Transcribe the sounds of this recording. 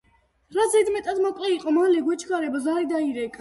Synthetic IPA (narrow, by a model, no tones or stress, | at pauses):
ɾazɛd̪mɛt̪ʼad̪mɔkʼlɛiqʼɔmalɛɡwɛt͡ʃʰɡaɾɛbɔzaɾid̪aiɾɛkʼa